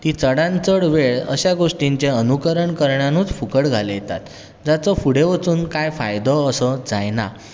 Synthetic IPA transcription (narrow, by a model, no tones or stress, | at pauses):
t̪iːt͡səɽãnt͡səɽʋeɭə̰ɕjaɡoʂʈiɲt͡ɕeənukəɾəɳkəɾɳjanuːt͡sfukəɽɡʱaləjet̪a̰t̪ | d͡zat͡sɔfuɽeʋət͡suːnkajfa̰jd̪ɔːsəd͡zajna̰